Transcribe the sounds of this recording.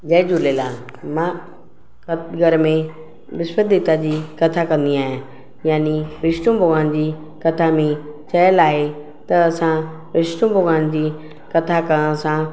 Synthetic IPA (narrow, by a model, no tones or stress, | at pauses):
d͡ʑɐɪd͡ʑuleːla | mãː | kɐtɡʱɐɾmẽ | bɪspəd̪it̪ad͡ʑiːkɐt̪ʰakɐ̃nd̪iaːɦijã | jaːniʋɪʃʈũbʱʊɡaːnd͡ʑiː | kɐt̪ʰamẽt͡ɕɐjəlaːɦe | t̪ɐːsã | ʋɪʃʈũbʱʊɡaːnd͡ʑiː | kɐt̪ʰakə̃sã